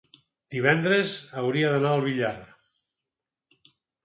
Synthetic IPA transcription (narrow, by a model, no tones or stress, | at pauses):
d̪̥iβɛnd̪ɾəzəwɾiəðənaəlˠβiʎar